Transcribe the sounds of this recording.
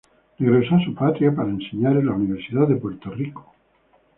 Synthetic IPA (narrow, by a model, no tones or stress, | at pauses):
neɣɾesasupat̪ɾjapaɾaenseɲaɾelauniβ̞eɾsiðaððepwe̞ɾt̪o̞riko̥